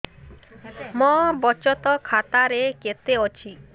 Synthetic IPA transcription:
mɔbɔt͡ʃɔt̪ɔkʰat̪aɾeket̪eot͡ɕʰi

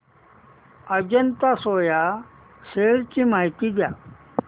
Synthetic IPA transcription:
ɐd͡ʑɐnt̪asoːja | seːɽt͡ɕimaːjt̪id̪jaː

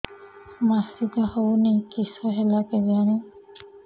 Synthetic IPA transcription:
masiɡahownikisɔɦɛlakɛzani

